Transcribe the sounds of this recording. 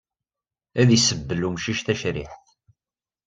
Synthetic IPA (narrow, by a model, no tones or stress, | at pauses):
æðisəbːəlumʃiʃθæʃɾɪ̰ħθ